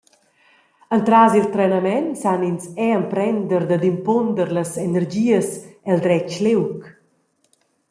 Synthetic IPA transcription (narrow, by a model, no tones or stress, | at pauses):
ənt̪ɾazilˠt̪ɾɛnəmɛnsaninsɛəmpɾɛnd̪əɾd̪əd̪impond̪əɾləzenəɾd͡ʒiəsɛld̪ɾɛt͡ʃlewk